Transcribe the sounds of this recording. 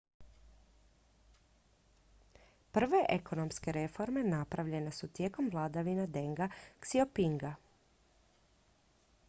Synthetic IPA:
pr̩ʋe̞ʔe̞kʰo̞no̞mske̞ɾe̞fo̞ɾme̞napɾaʋʎe̞ne̞sut̪je̞ːko̞mʋlˠaːd̪aʋinad̪e̞ŋɡaksiopiŋɡa

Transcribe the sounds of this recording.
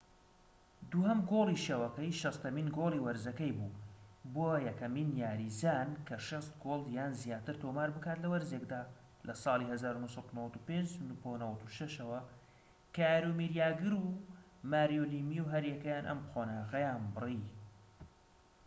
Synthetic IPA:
d̪uːhɐmɡolˠiʃeːwɐkɐjʃɑst̪ɐmiːnɡoːlˠiːwɐɾzɐkɐjbuːboːjɛkɐmiːnjaːɾizaːnkʰɐʃest̪̚ɡoːlˠjaːnzijaːt̪ɨɾt̪ʰomaːɾbɨkaːt̪lɐwɐɾzekd̪aː | lʔɐsˤɑːlˠihɐzaːɾunuhsˤɐd̪unɐwɐt̪upend͡ʒnuponɐwɐt̪uʃɐʃɐwɐ | kaːɾumiɾjaːɡɨɾu | maːɾijoliːmiwɦɐɾjɛkɐjaːnʔɐ̰mqonaːɣɐjaːnbɨri

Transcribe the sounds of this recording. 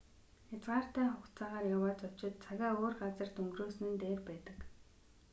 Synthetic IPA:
at͡sʁaːr̥t̪æːχʊkt͡saːʁaːrjawaːt͡sɔw̥t͡ɕɪ̆t̪̚t͡sʰaɣʲaːoːrɢat͡sə̆r̥t̪ɵŋɡroːsɘ̆nɘ̆nt̪eːrpæːt̪ə̆k

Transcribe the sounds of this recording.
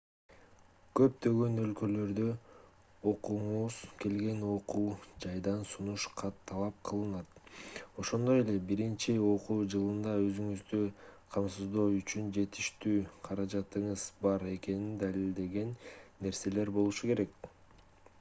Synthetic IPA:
kø̞p̚t̪ø̞ɡø̞nø̞lkø̞lø̞ɾd̪ø | o̞quɴuz̥ke̞lɡe̞no̞quːd͡ʒɑjd̪ɑnsunuʃqʰɑt̪ʰːɑlˠɑp̚qʰɯlˠɯnɑt̪o̞ʃo̞nd̪o̞je̞le̞biɾint͡ʃio̞quːd͡ʒɯlˠɯnd̪ɑø̞zyŋyzd̪yqʰɑmsɯzd̪o̞yt͡ʃynd͡ʒe̞t̪i̥ʃt̪yːqʰɑɾɑd͡ʒɑt̪ɯɴɯzbɑɾe̞ke̞nind̪alild̪e̞ɡe̞nːe̞ɾse̞le̞ɾbo̞lˠuʃuke̞ɾe̞k̚

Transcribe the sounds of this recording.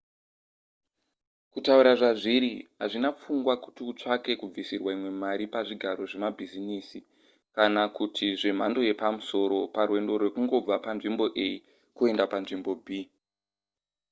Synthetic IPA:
kutauɾaʐaʐiɾiɦaʐinap͡fuŋɡwaku̥tiut͡ʂake̞kub͡visirwaimwe̞maɾipaʐiɡʱaɾo̞ʐe̞mabʱiziniːsi | kanakutʰiʐe̞m̤ando̞je̞pamuso̞ɾo̞parwe̞ndo̞ɾwe̞kuŋɡo̞b͡vapanʐimbo̞ʔe̞ji | kue̞ndapanʐimbo̞bʱi

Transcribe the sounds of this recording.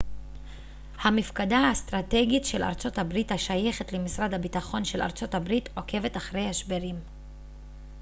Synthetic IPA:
hamifkadaast̪ʁate̞ɡitʃe̞la̰ʁt͡so̞thabʁithaʃaje̞χetlemisʁadhabitaχo̞nʃe̞la̰ʁt͡so̞thabʁito̞ke̞ve̞taχʁe̞jhaʃbeʁim

